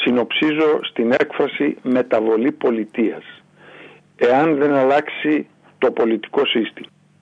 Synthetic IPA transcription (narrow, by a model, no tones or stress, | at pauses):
sino̞psizo̞st̪ine̞kfɾɐsime̞t̪ɐvo̞lipo̞lit̪iɐs | e̞ɐnðe̞nɐlɐksi | t̪o̞po̞lit̪i̥ko̞sist̪imɐ